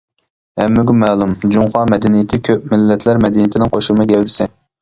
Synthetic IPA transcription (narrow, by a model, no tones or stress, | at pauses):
hɛmːɪɡʲumɛːlˠumd͡ʒuŋχɑmɛd̪ɛnijɪt̪ʰɪkʲʰøp̚mɪlːɛt̪ʰlæɾmɛd̪ɛnijit̪ʰɪnɪŋqʰoʃɨmɨɡʲɛwlɪsɛ